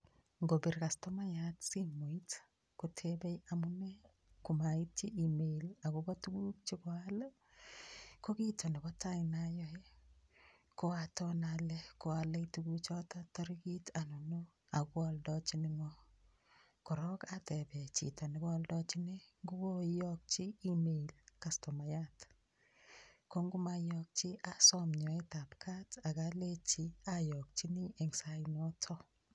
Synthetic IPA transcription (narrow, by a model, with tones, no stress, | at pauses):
ŋɡobi˨rka˨stɔma˦jatsi˦mo˨it | kotʰebɛ˦jamunɛ˦ | kumaiti˦ʔimelakobɔtu˦ɡu˦k̚t͡ʃikɔalə | kokitʰo˨nibɔtainajɔe | koatɔnalɛko˦aleituɡut͡ʃɔtatɔɾikitʰano˨no | a˨ɡwɔ˦ldɔ˦t͡ʃi˦nɪ˦ŋɔ˦ | kɔ˨ɾɔ˦ka˦tɛ˨bɛ˨t͡ʃḭ˨tɔ˨nɪ˨ɡɔ˦ldɔ˦t͡ʃi˦ne˦ŋɡu˦wo˦jɔ˦k̚t͡ʃi˦i˦me˨ilka˨stɔ˨ma˨ja˦t | ko˦ŋɡu˦ma˦jɔk̚t͡ʃi˦ʔa˦sɔmɲɔ˨e˦ta˨pkʰa˦ta˨ɡa˦le˦t͡ʃi˦a˦jɔ˨k̚t͡ʃi˦ni˦ɛ˨ŋsa˦inɔ˦tʰɔ˦